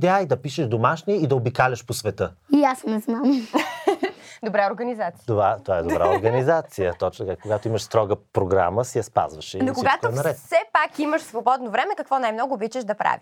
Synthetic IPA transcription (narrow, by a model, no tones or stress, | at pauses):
d̪ɛaid̪ɐpiʃɛʒd̪omaʃniɛid̪ɐobikalʲɐʃposvɛt̪əiasnɛznam | d̪obɾaoɾɡɐnizat̪sit̪ovat̪ovaɛd̪obɾa̰oɾɡənizat̪sijət̪ɔt͡ʃnt̪kakoɡat̪oiməʃst̪ɾɔɡəpɾoɡɾa̰məsɛjɐspa̰zvɐʃnokoiɡat̪k̪onɐɾɛt̪sɛpakiməʃsvobɔd̪novɾɛmɛkɐkvɔnajmnɔɡʊːbit͡ʃɛʃd̪ɐpɾa̰vi